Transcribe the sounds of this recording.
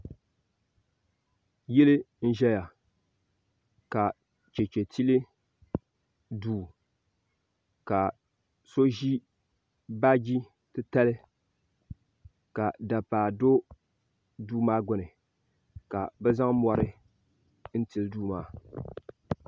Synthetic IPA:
ji˦lɪ˦ | n̩˦ʒɛ˦ja˨ | ka˨ | t͡ʃe˨t͡ʃe˨tʰi˦lɪ˦ | duː˨ | ka˨ | so˦ʒi˦ | ba˦ɡi˦ | tɨ˦ta˦lɪ˦ | ka˨da˨paː˨do˦ | duː˦maː˦ɡʊ˨nɨ˨ | ka˨bɛ˦za˦ŋ˦mɔ˦ɾɨ˦ | n̩˦ti˨lɨ˦duː˦maː˦

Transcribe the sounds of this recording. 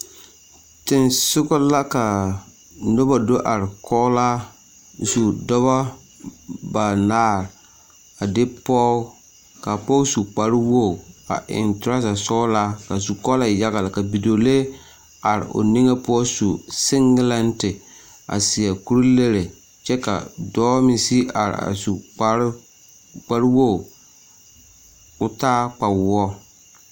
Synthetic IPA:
tɪ˨nsʊ˦ɡɔ˦la˦ka˨ | no˦ba˨do˦ʔa˨ɾɪ˨kɔ˦la˦ | zu˨dɔ˦βa˦ | ba˨naː˦ɾ | a˨dɪ˦pɔ˦ | ka˨pɔ˦su˨k͡pa˦ɾɪ˦wo˦˨a̰˨ʔɪ̰˨ntʊ˦ɾa˦sa˨sʊ˦la˦ka˨su˨kɔ˦la˨ja˦ɣa˨la˨ka˨bi˨do˨le˦ | a˨ɾɪ̰˨ʔo̰˨ni˦ŋa˦pʊ˦ɔ˦su˨sɪ˦ŋɡla˦ntɪ˨ | a̰˨sɪ˨a˨ku˦ɾi˦le˦ɾe˨ | t͡ʃɛ˦ka̰˨dɔː˦mɪ˨si˦a˨ɾɪ̰˨a̰˨su˨˦ | k͡pa˦ɾwo˦˨ | ʊ˦taː˦k͡pa˨wɔ˦

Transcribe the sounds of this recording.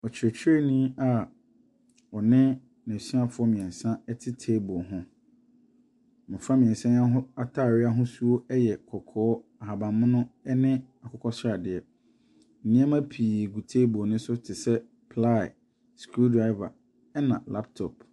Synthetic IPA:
ɔ˨t͡ɕʰɪ˨ɾɛ˨t͡ɕʰɪ˦ɾe˦nĩ˦a˨ | ɔ˨nɪ̃˦ | nɛ̃˨si˦a˨fʊ˨˦ɔ˦mĩ˨ɛ̃˨nsã˦ɛ˦tʰɪ˦tʰeː˦bɔ˨ɦʊ̃˦ | mʊ̃˨fɾa˦mĩ˨ɛ̃˨nsã˦a˦ɦʊ̃˦a˦tʰa˦˨ɾɪ˦a˦ɦʊ̃˦su˦o˦ɛ˦jɛ˨kʰɔ˨kʰɔː˦a˨ɦa˨bã˨mmʊ̃˦nʊ̃˦ɛ˦nɪ̃˦a˨kʰɔ˨kʰɔ˦sa˨dɪ˨ɛ˨ | m̩˨nĩ˦a˦mã˦pʰiː˨ɡu˨tʰeː˦bo˨nʊ̃˦sʊ˦tʰɪ˨sɛ˦ | pʰla̰˦˨ | skɾu˦dɾa˦ɪ˦va̰˨ | ɛ˦nã̰˨la˦p̚tʰɔ˨p

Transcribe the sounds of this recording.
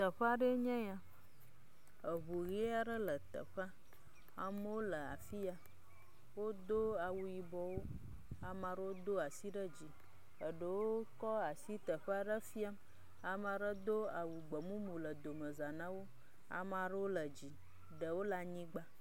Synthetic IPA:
t̪ə˨ɸa˦ɖə˦ɲɛ̃˦ja˦ | ə˨βu˨ɣi˦a˦ɖə˦lə˨t̪ə̰˨ɸa˦ | a̰˨mə˦wo˦lə˨a̰˨fi˦a˨ | wo˦d̪o˦a˨wu˨ji˨bɔ˦wo˦ | a˨mã˨ɖə˦wo˦d̪o˦a˨si˦ɖə˦d͡ʑi˨ | ə˨ɖə˨wo˦kɔ˦a˨si˦t̪ə˨ɸə˦a˨ɖə˦fi˦a˦m | a˨mã˨ɖə˦d̪o˦a˨wu˨ɡ͡bə˨mũ˦mũ˨lə˨d̪o˨mə˨za˨nã˦wo˦ | a̰˨ma˨ɖə˦wo˦lə˨d͡ʑi˨ | ɖə˨wo˦la˦ɲĩ˦ɡ͡ba˦

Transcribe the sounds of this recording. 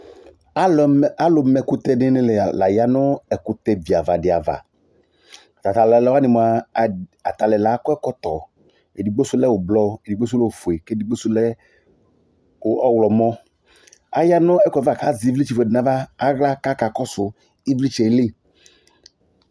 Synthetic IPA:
a˦lʊ˨mɛ˨kʊ˦t̪ɛ˦nɪ˦nɪ˦lɛ˨la˨ja˦nʊ˦ɛ˨kʊ˨t̪ɛ˦vi˨a˨va˨dɪ˨a̰˨va̰˨ | t̪a˨t̪a˨lɛ˨lɛ˦wa˦nɪ˨mɔ˨a˨a̰˨t̪a˨lɛ˨la˨˦kɔ˦ɛ˦kɔ˦t̪ɔ˨ | e˨di˨ɡ͡bo˦sʊ˦lɛ˦wʊ˨blɔ˦e˨di˨ɡ͡bo˦s̬ʊ˦lɛ˦o˨fʊ˨e˨ke˦di˨ɡ͡bo˦sʊ˦lɛ˦ | ʊ˨ɔ˦wlɔ˨mɔ˦ | a˨ja˦nʊ˦ɛ˦kva˨ka˨˦zɪ˨˦vli˦t͡ʃi˨fɛ˨dɪ˨na˨vaː˦ɣla˦ka˦ka˨kɔ˦sʊ˨ | i˦vli˦t͡ʃɛ˨˦lɪ˦

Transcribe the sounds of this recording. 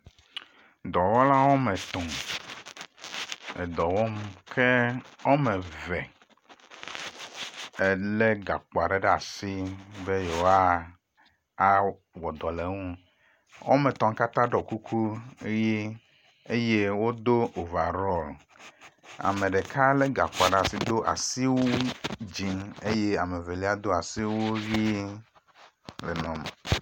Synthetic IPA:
d̪ɔ˨wɔ˦la˦wo˦me˨t̪ɔ̃˨m | ḛ˨d̪ɔ˨wɔ˦m˦kʰe˦wo˦me˨vɛ˨ | e˨le˦ɡa̰˨k͡pa˨ɖe˦ɖe˦a˨si˦be˦je˨wa˦ | a˦ | wɔ˨d̪ɔ˨le˨ŋũ˦ | wɔ̰˦me˨t̪ɔ̃˦ŋ˦ka˦t̪ã˦ɖɔ˨ku˦kʰu˦je˦ | e˦je˦wo˦d̪o˦o˨va˨ɾɔ˦l | a̰˨mẽ˨ɖe˨kʰa˦le˦ɡa˨k͡po˨a˨ɖe˦a˨si˦d̪o˦ʔa̰˨si˦wo˦d͡ʑi˨ne˦je˦a˨me˨ve˨li˦a˦d̪o˦a˨si˦wo˦vi˦ | le˨nɔ̃˨m˨

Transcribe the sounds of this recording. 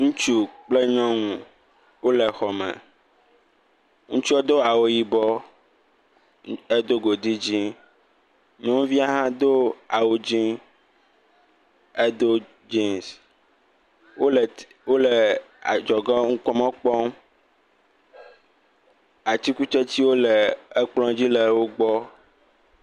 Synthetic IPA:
ŋũ˦t͡ʃu˦k͡ple˦ɲɔ̃˦ŋũ˨ | wo˦le˨xɔ˨mɛ̰̃˨ | ŋũ˦t͡ʃi˦o˦d̪o˦a˨wo˨ji˨bɔ˦ | e˦d̪o˦ɡo˨di˦d͡ʑĩ˦ | ɲɔ̃˦vi˦a˦ɦã˦d̪o˦a˨wo˨d͡ʒĩ˦ | e˦d̪o˦ | d͡ʒe˦ms | wo˦l | wo˦le˨ | a˨d͡ʒɔ˨ɡɔ˦ŋ̩˦kɔ˦mɔ̃˦k͡pɔ˦m | a˨t̪i˦ku˦t͡ʃɛ˦t͡ɕ̪i˦wo˦le˨e˦k͡plɔ̃˦d͡ʑi˦le˨wo˦ɡ͡bɔ˦

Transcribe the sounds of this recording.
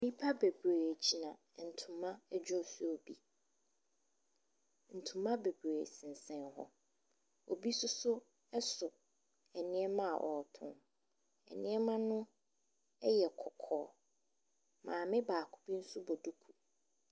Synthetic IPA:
m˦i˦pʰa˦be˨bɾe˨e˨d͡ʑi˨nã˨n̩˨tʰũ˨mã˦ɛ˦d͡ʑᶣɔ˦˨sʊ˦o˨bi˦ | n̩˨tʰũ˨mã˦be˨bɾe˨sɪ̃˨n̩˨sɛ̃˦nɦɔ̰˦ | o˨bi˦sʊ˦sʊ˦ | ɛ˦sʊ˨ | ɛ˨nɪ̃˦ɛ˦mã˦a̰˨ʔɔ˨tʰʊ̰̃˨n | ɛ̰˨nɪ̃˦ɛ˦mã˦nʊ̃˦ | ɛ˦jɛ˨kʰɔ˨kʰɔː˨˦ | mãː˨mɪ̃˦baː˨kʰʊ̥˨bi˦n̩˦sʊ˦bɔ˨du˦kʰu˨

